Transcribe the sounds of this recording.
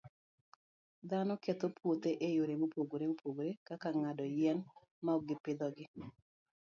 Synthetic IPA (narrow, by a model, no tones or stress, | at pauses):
d̪anɔket̪opʰwot̪eʔejoɾemopoɡoɾemopʰoɡoɾekakaŋadɔjɛn | maɔɡɪpɪd̪ɔɡɪ